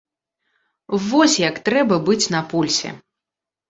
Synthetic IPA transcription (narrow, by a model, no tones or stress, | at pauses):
vɔsʲjɐkt̪ɾɛbɐbɨt͡sʲnɐpulʲsʲɛ̰